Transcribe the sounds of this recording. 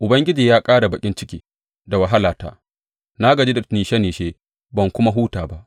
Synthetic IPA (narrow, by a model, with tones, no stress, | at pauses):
ʔʊ˨bɐ˦ŋɡʲɪ˦d͡ʒiː˨jaː˦kʼaː˦ɽa˨bɐ˨kʲʼɪ˦nt͡ʃɪ˦kʲiː˦ | da˨wɐ˨ɦa˦laː˨ta̰ː˦ | naː˦ɡɐ˨d͡ʒiː˦da˨niː˨ʃe˦niː˨ʃeː˦ | bɐ˨ŋkʷʊ˦ma˦ɦuː˦taː˨ba˦ʔ